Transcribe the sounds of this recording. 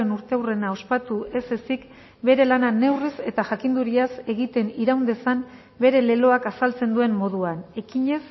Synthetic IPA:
enuɾt̪e̞awre̞nao̞spat̪uʔe̞se̞sik | be̞ɾe̞lanane̞wrise̞t̪aʝakind̪uɾiase̞ɣit̪e̞niɾawnd̪e̞sam | be̞ɾe̞le̞lo̞akasalt͡se̞nd̪ue̞mːo̞ð̞uane̞kiɲe̞s

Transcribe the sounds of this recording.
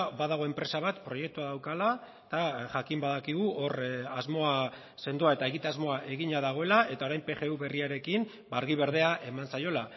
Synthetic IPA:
baðaɣ̞o̞e̞mpɾe̞saβat̪pɾo̞je̞k̚t̪uaðawkala | t̪aʝakimbaðakiɣ̞uʔo̞razmo̞a | se̞nd̪uae̞t̪aeɣit̪eazmo̞aʔe̞ɣiɲaðaɣ̞o̞e̞lae̞t̪ao̞ɾajmpe̞xe̞uβe̞riaɾe̞kim | baɾɣiβ̞e̞ɾð̞e̞aʔe̞mansajo̞la

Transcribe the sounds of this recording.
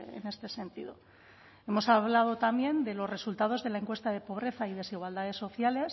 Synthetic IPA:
ḛne̞st̪e̞se̞nt̪iðo̞ | e̞mo̞saβlað̞o̞t̪ambje̞nd̪e̞lo̞zre̞sult̪að̞o̞zðe̞laeŋkwe̞st̪aðe̞po̞β̞ɾe̞θaið̞e̞siɣ̞wald̪að̞e̞so̞θjale̞s

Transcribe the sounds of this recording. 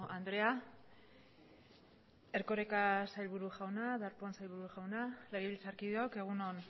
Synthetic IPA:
and̪ɾe̞a | e̞ɾko̞ɾekasajlβuɾuʝawnaðaɾponsajlβuɾuʝawnaleɣeβilt͡saɾkiðeoke̞ɣ̞unon

